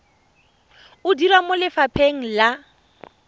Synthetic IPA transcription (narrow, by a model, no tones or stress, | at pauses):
ʊdiɾwamʊlɪfapʰeŋ̩la